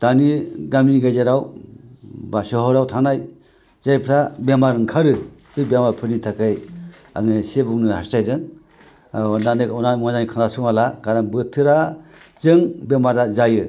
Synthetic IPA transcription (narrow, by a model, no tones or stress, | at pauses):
d̥aniɡamiɡajzeɾaw | basɔɦɔɾawtʰanaj | zajpʰɾabemaɾɯŋkʰaɾɯ | kɯbemaɾpʰɯɾnitʰakɯj | a̰ŋɯsebuŋnɯhastajdɯŋ | nanɯɔnajmazanikʰandasɔŋalakaɾanbɯtʰɯɾazɯŋbemaɾdazajɯ